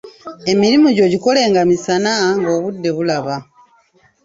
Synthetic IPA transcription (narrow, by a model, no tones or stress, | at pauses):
e̞miɾimuɟo̞ɟiko̞le̞ːŋɡamisanaŋɡo̞ːβudːe̞βulaβa